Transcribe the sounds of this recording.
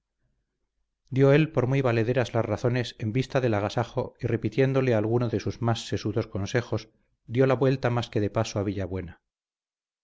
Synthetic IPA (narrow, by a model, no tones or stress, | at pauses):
d̪jo̞e̞lpo̞ɾmijβale̞ð̞eɾazlazraθo̞ne̞se̞mbist̪aðe̞laɣasaxo̞ire̞pit̪je̞nd̪o̞le̞alɣunoðe̞suzmasːe̞suðo̞sko̞nse̞xo̞z | d̪jo̞laβwe̞lt̪amaske̞ðe̞pasoaβ̞iʎaβwe̞na